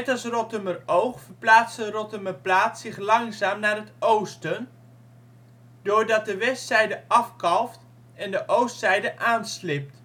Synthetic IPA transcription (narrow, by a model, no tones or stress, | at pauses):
ɛtɑsrɔtəmərowχfəɹplaːtsərɔtəməplaːtssɪχlɑŋzaːmnaːrɦətowstən | d̥ʊːɹdɑt̚dəʋɛstsɛjdəɑfkɑlˠft | ɛndəʔowstsɛjdəʔaːnslɪp̚t